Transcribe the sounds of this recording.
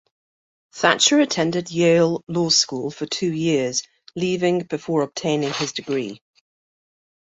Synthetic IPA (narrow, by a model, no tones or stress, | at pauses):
θat͡ʃəɹətʰɛ̃ndɪdjeɪlˠlɔːskuːlˠfətʰʉːjɪəz | liːvɪ̃ŋb̥ɪfɔːɹəb̥̚tʰẽɪ̃nɪ̃ŋɪzdɪɡɹḭː